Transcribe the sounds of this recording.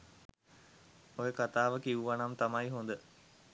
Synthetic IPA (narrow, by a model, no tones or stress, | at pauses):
ojəkat̪aːʋəkiʋuʋanamt̪amaiɦond̪ə